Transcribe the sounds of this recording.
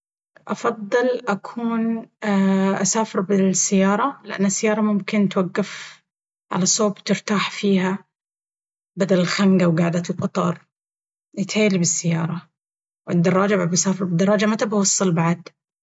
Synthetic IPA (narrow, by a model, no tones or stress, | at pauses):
ʔɑfɑðˤːɨlʔakʰuːn | ʔasaːfɪɾbɪsːɪjːɑːɾˤɑlɪʔa̰nːasːajːɑːɾˤɑmʊmkɪnt̪waɡːaf | ʕa̰lasoːbt̪ɪɾt̪aːħfiːha | bad̪alɪlxaŋɡawɡaːʕd̪at̪ɪlqɑt̪ˤɑɾˤ | jɪt̪ħeːlibɪsːɪjːɑːɾˤɑ | wɪd̪ːɑrˤːɑːd͡ʒababasaːfɪɾˤbɪd̪ːɑɾˤɑːd͡ʒamat̪abawɑsˤːɨlbaʕad̪